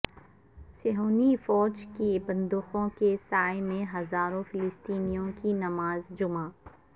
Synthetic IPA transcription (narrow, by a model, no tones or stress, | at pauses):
seɦoːnifɔːd͡ʒkibɐ̃nd̪ʊxõkesaːemẽɦɐzaːɾõfɪlɪst̪iːnijõkinɐmaːzd͡ʒʊmaː